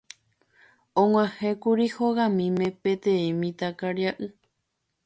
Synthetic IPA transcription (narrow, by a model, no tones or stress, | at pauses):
õŋʷãhẽkuɾihoɣãmĩmẽpẽt̪ẽẽmĩt̪akaɾjaʔɨ